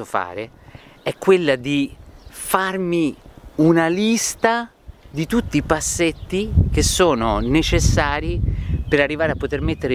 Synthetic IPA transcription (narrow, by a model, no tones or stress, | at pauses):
ofa̰ːɾe | ɛkːwelːad̪ifarmiunalist̪a | d̪it̪ut̪ːipasːet̪ːik̟esːoːnonet͡ʃesːaːɾipeɾarːivaːɾeapːot̪ermet̪ːeɾe